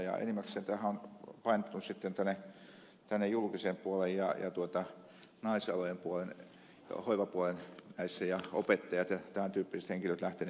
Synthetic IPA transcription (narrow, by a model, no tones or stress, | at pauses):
jɑ̰ḛnimːækseːnt̪æhæonpɑinet̪ːunssit̪ːent̪ænːˑe | t̪ænːejulkisempuolejjɑ̰jɑ̰t̪uot̪ɑ | nɑˑisɑlojempuolen | hoiʋɑpuolennæisːæjɑo̰pet̪ːɑjɑt̪jɑt̪æmænt̪yːpːiset̪heŋkiløt̪læht̪en